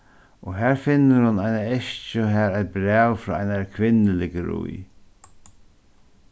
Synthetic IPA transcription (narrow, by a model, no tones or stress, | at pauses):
ɔɦæːɹfɪnːəɾhʊnajnaɛʃt͡ʃʊɦɛːɾaɪt̪̚bɾɛːwfɾɔ̰ːajnakʰʋɪnːɪlɪkəɾṵj